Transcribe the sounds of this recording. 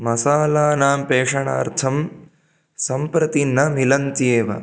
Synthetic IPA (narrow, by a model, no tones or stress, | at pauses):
mɐsaːlaːnaːmpeːʂɐɳa̰ːɾt̪ʰɐm | sɐmpɾɐt̪inːɐmilɐnt̪ieːʋɐ̰